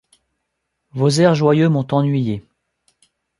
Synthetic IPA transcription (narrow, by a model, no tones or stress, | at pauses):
vozɛʁʒwajømɔ̃t̪ɑ̃nɥije